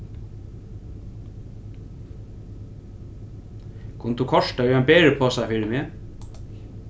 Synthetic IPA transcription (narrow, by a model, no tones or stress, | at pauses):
kʰʊnət̪ːukʰɔʂt̪aʏɛnbɛːɹɪpʰɔːsafɪɾɪmɪ